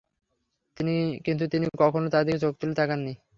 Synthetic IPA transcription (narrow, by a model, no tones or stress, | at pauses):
t̪inikint̪ut̪inikɔkʰonot̪ad̪eket͡ɕok̚t̪ulet̪ʰakanːi